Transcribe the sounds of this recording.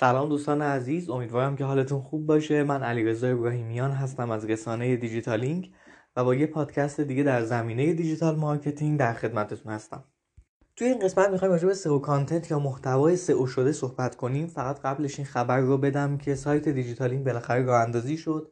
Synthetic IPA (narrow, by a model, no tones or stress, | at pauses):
sælɒːmd̪uːst̪ɒːneæziːzo̞miːd̪vɒːɾæmcʰe̞ɦɒːle̞t̪ʰunxub̚ːɒːʃe̞mænæliːɾe̞zɒːe̞bɾɒːɦiːmijɒːnɦæs̬t̪æmæzɾe̞sɒːne̞je̞d̪id͡ʒit̪ʰɒːliŋɟ | væbɒːjepʰɒːd̪̥cʰæst̪e̞d̪iːɡɟe̞d̪æɾzæmiːne̞je̞d̪id͡ʒit̪ʰɒːlmɒɾcʰe̞t̪ʰiŋd̪æɾxe̞d̪mæt̪ʰet̪ʰunhæst̪æ̰m | t̪ʰujeiːnɢe̞smæt̪̚mixɒːjimɾɒːd͡ʒe̞be̞se̞okʰɒnt̪ʰe̞nt̪ʰjɒːmoht̪ʰævɒːje̞se̞ʔoʃo̞d̪e̞so̞hbæt̪ʰkʰo̞niːmfæɣæt̪ɢæble̞ʃinxæbæɾːobe̞d̪æmcʰe̞sɒːjt̪ʰe̞d̪id͡ʒit̪ʰɒːliŋɡbe̞læxæɾerɒːhænd̪ɒːziːʃo̞d̪̥